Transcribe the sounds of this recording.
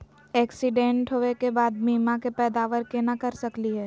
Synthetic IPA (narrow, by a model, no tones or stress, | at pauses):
ɛːksɪɖẽːɳʈɦoːekebaːd̪̚miːmakepɛːd̪aːʋəɾkenakɐɾsɐkliɦɛː